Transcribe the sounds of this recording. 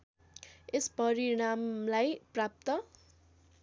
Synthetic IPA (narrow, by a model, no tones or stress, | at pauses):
espʌɾiɽ̃amlajprap̚t̪ʌ